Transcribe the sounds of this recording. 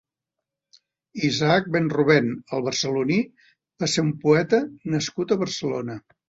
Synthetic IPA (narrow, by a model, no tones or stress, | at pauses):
izaak̚benruβ̞enəlˠβərsəluni | baseɾumpuɛt̪ənəskut̪əβərsəlonə